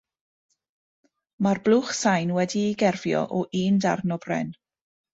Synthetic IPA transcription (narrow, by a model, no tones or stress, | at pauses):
marblˠuχsajnwɛdiːɡɛrvjɔ̰ʔɔʔiːnda̰rnɔbrɛ̰n